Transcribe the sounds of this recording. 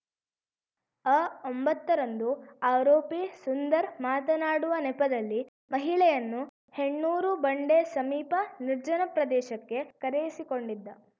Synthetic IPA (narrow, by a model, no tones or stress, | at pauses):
aːombɐt̪ːɐɾɐnd̪uaːɾoːpisund̪ɐɾmaːt̪ɐnaːɽuʋɐnɛpɐd̪ɐlːi | mɐɦiɭɛjɐnːu | he̞ɳːuːɾubɐɳɖe̞sɐmiːpɐniɾd͡ʒɐnɐpɾɐd̪ɛːʃɐkːe̞kɐɾejisiko̞ɳɖid̪ːɐ